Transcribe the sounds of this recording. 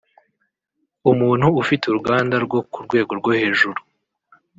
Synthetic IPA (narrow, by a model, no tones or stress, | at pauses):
umuːn̥huːfituɾuɡaːndaɾɡwo̞kuɾɡwe̞ːɡo̞ɾɡwohe̞ːʒuɾu